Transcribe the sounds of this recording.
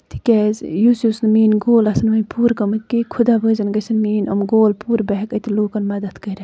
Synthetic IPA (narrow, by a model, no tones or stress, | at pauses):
t̪ʰi̥kʲɛzjusjusnmiːnɡoːlɐsɐnʋɐnʲpuːɾkɐmɨt̪̚ʲkikʰud̪abəːzɐnɡɐsɐnmiːnɐmɡoːlpuːɾbɐɦkɐt̪iloːkɐnmɐd̪ɐt̪kɐɾʲɐ